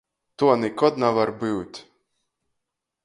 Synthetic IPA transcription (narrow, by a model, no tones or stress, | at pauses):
t̪uɔnikɔt̪navaɾbɨwt̪ʲ